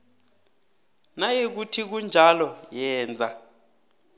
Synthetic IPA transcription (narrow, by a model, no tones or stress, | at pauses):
najek̬utʰik̬und͡ʒʱalɔjɛːnd͡zʱa